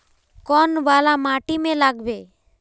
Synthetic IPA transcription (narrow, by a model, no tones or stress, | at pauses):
kɔnbaːlamaʈimẽlaɡbe